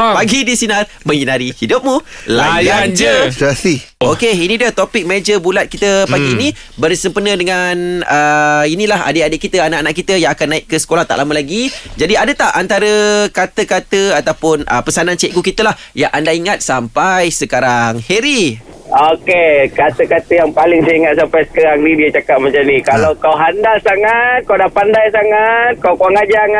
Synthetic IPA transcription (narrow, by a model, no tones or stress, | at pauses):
paɡidisinar | mə̃ŋinaɾihidʊp̚mulajand͡ʒəasiokeinĩdət̪opɪk̚med͡ʒəbulat̪̚kit̪əpaɡini | bərsəmpənə̃dəŋanəinĩlaɦa̰deadeʔkit̪əanaʔanaʔkit̪əjãŋakanːaɪʔkːəsə̥kolaht̪a̰ʔlaməlaɡid͡ʒadiadət̪aʔʔant̪aɾəkat̪əkat̪əat̪awpʊnʔə̰pəsanant͡ʃeʔkukit̪əlah | jaʔandaiŋat̪̚sampajsəkaɾaŋheɾi | okekat̪əkat̪əjaŋpalɪŋsəiŋat̪̚sampajsə̥kaɾaŋnidiət͡ʃakap̚məɲt͡ʃanikalawkawɦandalsaŋat̪̚kawdapandajsaŋat̪̚kawkuaŋad͡ʒaŋ